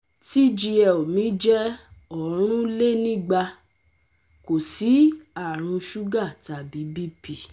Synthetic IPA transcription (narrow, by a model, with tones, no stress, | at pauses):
ti˦d͡ʒi˧ɛ˨o˨mĩ˨˦d͡ʒɛ˦ɔ˨˦ɾ̃ũ˦le˦nĩ˦˨ɡ͡ba˧ | ko˨si˨˦a˦˨ɾ̃ũ˧ʃu˦ɡa˦˨ta˨bi˨˦bi˦pi˦˨